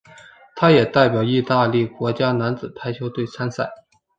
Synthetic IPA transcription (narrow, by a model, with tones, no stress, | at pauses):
t̪ʰa˥jɛ˨˩t̪a˥˩ɪpjɑ˨˩ʊi˥˧t̪a˥˧li˥˩kwɔ˧˥t͡ɕja˥na˧˥nt͡sɹ̩˨˩t̪ʰa˥ɪt͡ɕʰjo˧˥ʊt̪we˥˩ɪt͡sʰa˥nsa˥˩ɪ